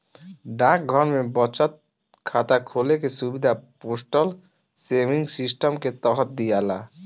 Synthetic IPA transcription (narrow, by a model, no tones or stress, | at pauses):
ɖãk̚ɡʱɔɾmebɔt͡ɕat̪̚ | kʰat̪akʰolekesubid̪ʱaposʈol | semiŋsisʈomket̪ɔɦɔt̪̚d̪ijala̰